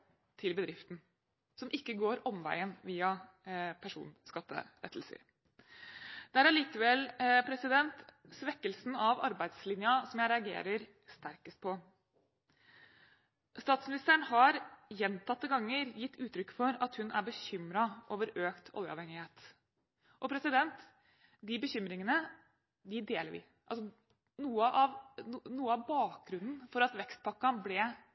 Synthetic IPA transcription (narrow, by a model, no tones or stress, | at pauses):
t̪ʰɪlbəd̪ɾɪft̪n̩ | sɔmʔɪkːəɡoːɾɔmʋæ̰ɪənʋiːɑ | pʰæʂṵːnskɑt̪ːə̰ɾɛ̰t̪ːl̩sə̰ɾ | d̪̥ɛæɾæɭiːkəʋɛlpʰɾɛsɪd̪ɛnt̪sʋɛkːəlsn̩ɑʋɑ̰ɾbæɪd̪slɪnjɑsɔmjæɪɾɛɑɡḛːɾəɾ | st̪æɾkəst̪̚pʰɔ | st̪ɑːt̪smɪnɪst̪əɳhɑɾjɛnt̪ʰɑt̪ːəɡɑŋːəɾjɪt̪ʰːʉːt̪ɾʏkːfɔɾɑt̪hʉnæbəçʏmɾɑʔoːʋəɾøːkt̪ʰɔ̰ljəɑ̰ʋhɛŋɪheːt̪ | ʔɔpʰɾɛsɪd̪ɛnt̪ | d̪ɪbəçʏmɾɪŋənə | d̪ɪd̪eːləɾʋɪ̰ | ʔɑls̬ɔ | nuːəʔɑʋnuːəɑʋbɑːk̚ɡɾʉnd̪n̩fɔɾɑt̪ʋɛkst̪̚pʰɑkːɑnblɛ